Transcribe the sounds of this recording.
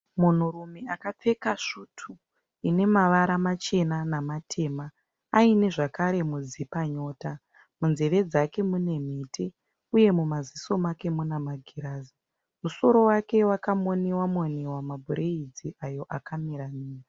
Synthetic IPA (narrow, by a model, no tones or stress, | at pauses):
mun̤urumeakap͡fe̞kaʂuːtʰu | ine̞maʋaɾamat͡ʃe̞nanamatʰe̞ːmaː | ine̞ʐakaɾe̞mud͡zipaɲo̞ːta | munze̞ʋe̞d͡zake̞mune̞m̤iːte | uje̞mumaziso̞make̞munamaɡʱiɾaːzi | muso̞ɾo̞wake̞wakamonewamonewamabʱuɾeid͡ziʔajo̞ʔakamiɾaniːra